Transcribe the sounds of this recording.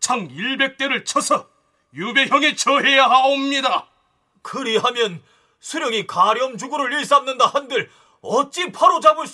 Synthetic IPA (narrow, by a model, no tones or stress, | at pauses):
t͡ɕʰaŋiɭbe̞k̚t͈e̞ɾɯɭt͡ɕʰʌsʰʌ | jube̞ɦjʌŋit͡ɕʌɦe̞jaɦaomɲida | kɯɾiɦamjʌn | sʰuɾjʌŋikaɾiʌmd͡ʑuɡoɾoɭːiɭs͈amnɯndahandɯɭ | ʌt͡ɕ͈ipʰaɾod͡ʑabɯɭs͈